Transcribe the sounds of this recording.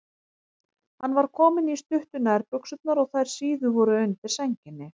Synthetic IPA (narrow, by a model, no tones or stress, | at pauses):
hanːvaɾ̥kʰɔːmɪnist̪ʏht̪ʏnaɛɾpʏksʏt̪̚naɾɔɣθajɾ̥siːðʏvɔɾʏʏɥnt̪ɪ̥sɛɲcɪnːɪ